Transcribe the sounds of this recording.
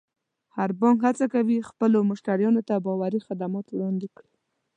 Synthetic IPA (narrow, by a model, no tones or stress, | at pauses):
haɾbɑŋkhat͡sakawixpəlomʊʃt̪aɾjɑnot̪abɑwaɾixad̪amɑt̪wɽɑnd̪ekɽi